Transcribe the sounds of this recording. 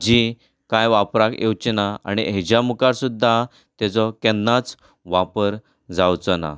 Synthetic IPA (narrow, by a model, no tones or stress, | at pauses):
d͡ʑi | kajʋapɾakewt͡ɕinaa̰ɽ̃iɦed͡ʑjamukaɾsud̪ʱːa | t̪ɛt͡sɔkɛnːat͡s | ʋapəɾ | d͡zawt͡sɔna̰